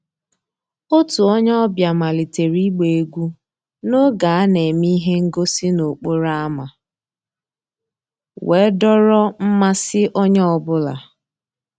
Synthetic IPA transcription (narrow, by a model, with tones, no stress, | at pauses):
o˦tu˨ɔ˦ɲɔ˦ɔ˦bja˨ma˨li˨te˨ɾi˦ɡ͡be˨e˨ɡʷu˦ | no˦ɡa˨a˦ne˨mi˦ɦe˦ŋ̩˦ɡo˦sɪ˦no˨k͡po˦ɾa˦a˦ma˨ | we˨˦dɔ˦ɾɔ˦m̩˦ma˦sɪ˦ʔɔ˦ɲɔ˦ɔ˦˨bʊ˦la̰˨